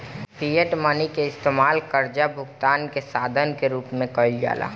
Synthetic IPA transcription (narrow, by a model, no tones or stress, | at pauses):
pʰijəʈmanikeɪst̪emaːlkəɾd͡ʒabʱʊɡt̪aːnkesaːd̪ʱənkeɾuːpmẽkəld͡ʒa̰ːla̰ː